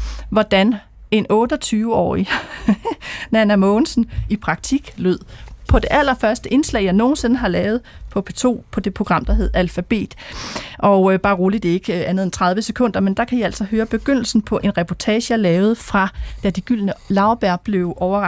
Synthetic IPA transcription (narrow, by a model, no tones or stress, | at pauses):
ʋɒd̥æn | e̝nɔ̽ːd̥ɒt͡sʰyːʊəɒ̰ːi | nænæmɔːn̩sn̩ipʰʁɑ̈ɡ̥̚t͡sʰiɡ̥løð̰ˠpʰɒ̽d̥e̝ʔæl̰ɐfɶɐsd̥əʔe̝nslɛ̰ɪjɑɪno̝ːn̩se̝nəɦɑ̈lɛːʊð̞̩ˠpʰɒ̽pʰe̝t͡sʰo̝̰ːpʰɒ̽d̥e̝pʰʁo̝ɡ̥ʁɑ̈m̰d̥ɑ̈ɦe̝ð̰ˠælfæb̥e̝̰ːd̥ʔɒ̽ʊb̥ɑ̈ːʁoːlid̥e̝e̝ɡ̥ænəð̩ˠent͡sʰʁɑ̈ð̞ˠʋəsekʰɔ̽n̰d̥ɐmend̥ɑ̈kʰæjiæl̰sɒ̽ɦøːɐb̥e̝ɡ̥øn̰l̩sn̩pʰɒ̽ʔe̝nʁɛpʰɒt͡sʰɛ̰ːɕəɑlɛːʊð̞̩ˠfʁɑ̈d̥æd̥iɡ̥yl̰nəlɑ̈ʊb̥æɐ̰b̥le̝ʊʔɒʊɐʁ